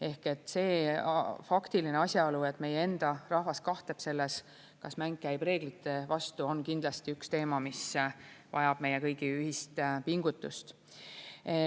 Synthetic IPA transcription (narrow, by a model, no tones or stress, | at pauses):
e̞hke̞t̪ːˑse̞ː | fɑkt̪ilineɑsʲjɑolue̞t̪ːˑme̞jee̞nd̪̥ɑrɑhvɑskɑht̪e̞b̥se̞lːes | kɑsmæŋɡ̥kːæjb̥re̞ːɡ̥lit̪ːˑe̞vɑst̪uo̞nkind̪lɑst̪iykst̪e̞ːmɑmisvɑ̰jɑb̥̚me̞jekɤjɡ̥iyhist̪piŋɡ̥ut̪ːˑust̪